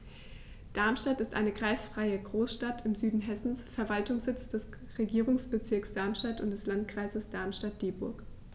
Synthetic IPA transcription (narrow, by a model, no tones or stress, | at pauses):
d̥aɐmʃtatɪstʔaɪnəkʁ̥aɪsfʁ̥aɪəɡʁoːsʃtatʰɪmzyːdn̩ɦɛsn̩sfɛɐvaltʊŋsz̥ɪt͡sd̥ɛs | ʁeɡiːʁ̞ʊŋsb̥ət͡sɪɐksd̥aɐmʃtatʊntd̥ɛslant̚kʁ̥aɪzəsd̥aɐmʃtat̚d̥eːbʊɐk